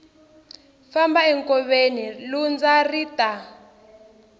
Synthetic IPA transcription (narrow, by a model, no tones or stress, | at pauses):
fambaɛŋkʼɔɓenilund͡zaritʼa